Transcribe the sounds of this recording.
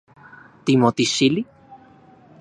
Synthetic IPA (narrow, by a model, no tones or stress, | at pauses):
t̪imot̪isili